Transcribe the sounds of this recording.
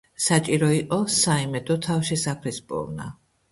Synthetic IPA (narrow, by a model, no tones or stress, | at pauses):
sat͡ʃʼiɾɔiqʼɔsaimɛd̪ɔt̪ʰafʃisapʰlispʼɔ̰vna̰